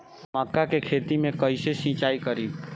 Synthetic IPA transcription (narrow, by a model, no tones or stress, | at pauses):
məkːakekʰet̪imẽkəɪsesĩt͡ʃaikəɾi